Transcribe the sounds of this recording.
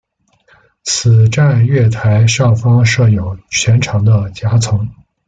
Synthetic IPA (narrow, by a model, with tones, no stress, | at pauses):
t͡sʰɹ̩˨˩ʈ͡ʂa˥˧nɥɛ˥˩t̪ʰa˧˥ɪʂɑ˥˩ʊfɑ˥ŋʂɤ˥˩jo˨˩ʊt͡ɕʰɥɛ˧˥nʈ͡ʂʰɑ˧˥ŋd̪ə˧t͡ɕja˥t͡sʰɤ˧˥ŋ